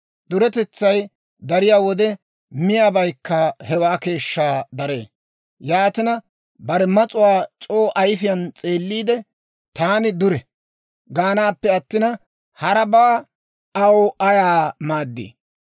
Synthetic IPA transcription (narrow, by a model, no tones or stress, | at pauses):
d̪ʊɾɛt̪ɛt͡sːɐj | d̪ɐɾɪjaːwɔd̪ɛ | mɪjaːbɐjkːɐhɛwaːke̞ːʃːaːd̪ɐɾe̞̰ː | jaːt̪ɪnɐ | bɐɾɛmɐt͡sʼʊwaːt͡ʃʼoːʔɐjfɪjɐnt͡sʼe̞ːlːiːd̪ɛ | t̪aːnɪd̪ʊɾɛ | ɡaːnaːpːɛɐt̪ːɪnɐ | hɐɾɐbaː | ɐwʔɐjaːmaːd̪ːḭː